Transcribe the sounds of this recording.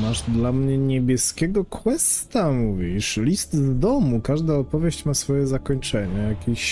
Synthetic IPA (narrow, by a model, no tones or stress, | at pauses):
maʐd̪lamɲɛɲebʲjɛskʲɛɡɔkwɛst̪amuvʲiʂlʲist̪zd̪ɔmukaʐd̪aɔpɔvʲjeɕt͡ɕmasfɔjɛzakɔɲt͡ʂɛɲajakʲeɕ